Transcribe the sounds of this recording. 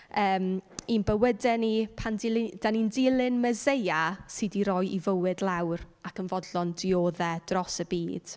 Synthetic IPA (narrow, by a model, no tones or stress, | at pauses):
əːminbəwədɛnipʰandɪld̥anindɪlˠɪnməzejasɨdiɾɔjʔivəwɨdlˠawr | akənvɔdlɔndɪoːðɛd̥rɔsəbiːd̥